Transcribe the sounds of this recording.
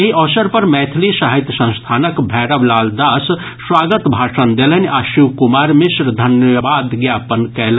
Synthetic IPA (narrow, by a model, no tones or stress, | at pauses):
eʔɔsəɾpɐɾmɛːt̪ʰlisaɦit̪jsə̃nst̪ʰaːnəkbʱɛːɾəʋlaːld̪aːs | swaːɡət̪bʱaːʂənd̪elənaʃiwkumaːɾmɪsɾd̪ʱɐnjbaːd̪ɡjaːpənkɛl